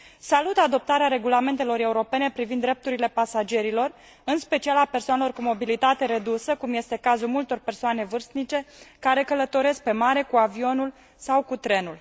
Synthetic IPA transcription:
salut̪ad̪o̞p̚t̪aɾeaɾe̞ɡulame̞nt̪e̞lo̞ɾe̞uɾo̞pe̞ne̞pɾivind̪ːɾe̞p̚t̪uɾile̞pasad͡ʒe̞ɾilo̞r | ɨnspe̞t͡ʃialape̞rsoanelo̞rkumo̞bilit̪at̪e̞ɾe̞d̪usəkumje̞st̪e̞kazulmult̪o̞rpe̞rsoane̞vɨrst̪nit͡ʃe̞kaɾe̞kələt̪o̞ɾe̞sk̚pe̞maɾe̞kuavio̞nul | sawkut̪ɾe̞nul

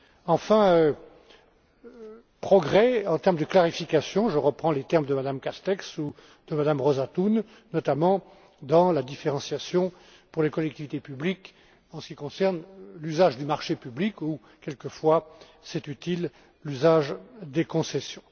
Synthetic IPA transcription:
ɑ̃fɛ̃ø | pχɔɡʁɛɑ̃t̪ɛʁmd̪əklaʁifikasjɔ̃ʒəʁəpχɑ̃let̪ɛʁməd̪əmad̪amkast̪ɛksu | d̪̥əmad̪amʁɔzat̪unː | ɔt̪amɑ̃ | d̪ɑ̃lad̪ifeʁɑ̃sjasjɔ̃ | puʁlekɔlɛkt̪ivit̪epyblik | ɑ̃sə̥kʲikɔ̃sɛʁnlyzaʒd̪ymaʁʃepybliku | kʲɛlkəfwa | sɛt̪yt̪il | lyzaʒd̪ekɔ̃sɛsjɔ̃

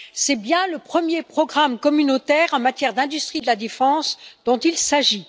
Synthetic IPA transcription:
sɛbjɛ̃ləpχəmjepχɔɡʁamkɔmynot̪ɛʁɑ̃mat̪jɛʁd̪ɛ̃d̪yst̪χid̪əlad̪efɑ̃sd̪̥ɔ̃t̪ilsaʒi

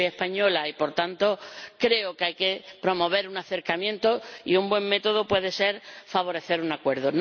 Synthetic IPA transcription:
aehpaɲolaipo̞ɾt̪ant̪o̞kɾe̞okeajke̞pɾo̞mo̞β̞e̞ɾunaθe̞ɾkamjẽ̞nt̪oḭumbwẽ̞ŋme̞t̪o̞ðopwe̞ðe̞se̞ɾfaβ̞o̞ɾe̞θe̞ɾunakwe̞ɾðon

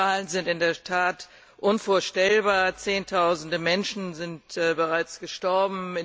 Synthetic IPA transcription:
aːlənzɪntɪndeːɐtʰaːt | ʔʊnfoːɐʃtɛlbaːɐt͡seːntʰaʊzn̩dəmɛnʃn̩zɪntːbəʁaɪt͡sɡ̥əʃtɔɐbm̩ɪ

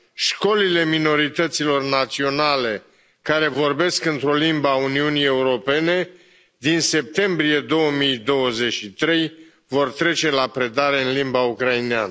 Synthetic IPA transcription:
ʃko̞lile̞mino̞ɾit̪ət̪silo̞rnat̪sio̞nale̞ | kaɾe̞vo̞rbe̞skɨnt̪ɾo̞limbauniunieuɾo̞pe̞ne̞ | d̪inse̞p̚t̪e̞mbɾie̞d̪o̞wəmijd̪o̞wəze̞t͡ʃʃit̪ɾe̞j | vo̞rt̪ɾe̞t͡ʃe̞lapɾe̞d̪aɾe̞ɨnlimbaukɾaineanə

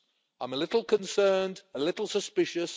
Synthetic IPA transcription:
ãɪ̃məlɪtˡl̩ˠkʰə̃nsɜːndəlɪtˡl̩ˠsəspɪʃəs

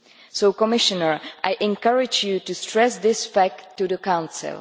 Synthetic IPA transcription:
sowkɔmɪʃɔnəɹʔajʔɛ̃nkaɹɪd͡ʒjutustɹɛsd̪ɪsfæk̚ttːudəkãw̃nsɪ̰lˠ

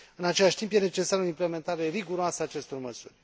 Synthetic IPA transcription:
ɨnat͡ʃe̞laʃʲt̪impje̞ne̞t͡ʃe̞saɾoimple̞me̞nt̪aɾe̞riɡuɾoasəaːt͡ʃe̞st̪o̞rməsurʲ

